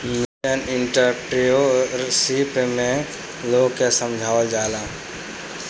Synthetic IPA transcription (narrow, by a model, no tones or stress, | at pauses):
miənɪɳʈəɾpɾiosipmẽ | loɡkesəmd͡ʒʱaːwəld͡ʒaːlãː